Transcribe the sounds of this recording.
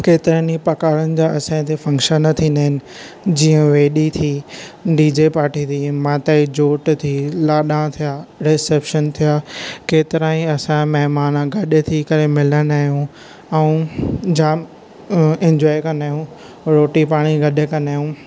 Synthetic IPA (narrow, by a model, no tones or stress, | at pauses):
keːt̪ɪɾanipɐkaːɾənɪ̆d͡ʑaːɐsãːɪ̃t̪ʰefɐ̃ŋkʃənːɐt̪ʰĩnaːɦɪnɪ̆ | d͡ʑiːə̃ʋeːɗit̪ʰiːɖiːd͡ʑepaːɾʈit̪ʰiːmãːt̪aid͡ʑoːʈt̪ʰilaːɗãt̪ʰijaːɾeseːpʃənt̪ʰijaːkeːt̪ɪɾãːĩɐsãmɐɦmaːnɡʱɐɗt̪ʰikɐɾemɪlənaːɦijũ | ɛũd͡ʑaːm | ɛ̃ɲd͡ʑɔːjkɐnaːɦjũ | ɾoːʈipaːɽ̃iɡɐɗɪkɐnaːjũ